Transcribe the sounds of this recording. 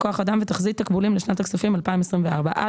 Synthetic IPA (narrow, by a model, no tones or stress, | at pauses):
koaχadamvɛt̪aχzit̪akbulimlɪʃnataksufimalpaimɛsʁimvɛaʁbaʔa̰